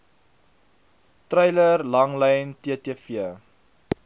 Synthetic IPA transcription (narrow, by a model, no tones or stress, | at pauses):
trɛjlərlɐŋlɛjntiətiəfiə